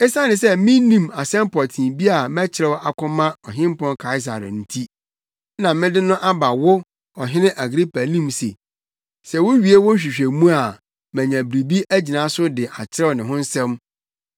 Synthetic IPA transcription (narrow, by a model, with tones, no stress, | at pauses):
ɛ˦sã˦nɪ̃˨s̬ɛ˦mɪ̃˦nĩ˦˨ma˨sɛ̃˦mpʰɔ˨tʰĩ˨nbi˦a˨mæ˦t͡ɕʰɪ˨ɾɛ˦wɔ˦ʔa˨kʰʊ̃˦mã˦ɔ˨ɦɪ̃˦m˦pɔ̃˦nkʰa˦ɪ˦s̬a̰˨ɾn̩˨tʰi˦ | nã˨mɪ̃˦dɪ˦nʊ̃˦ʔa˦ba˨wʊ˦ | ɔ˨ɦɪ̃˦nɪ̃˦ʔa˨ɡɾi˦pʰa˨nĩ˦msḛ˨ | sɛ˨wʊ˦ɥi˨˦e˦wʊ̃˦n̩˦ɕᶣi˨ɕᶣe˨mũ˦a˨ | mæ̃˨ɲã˨bɾi˨bi˦ʔæ˦d͡ʑi˨nã˨˦sʊ˦dɪ˨ʔa˨t͡ɕʰɪ˦ɾɛ˦wɔ˨nɪ̃˨ɦʊ̃˦n̩˦sɛ̃˦m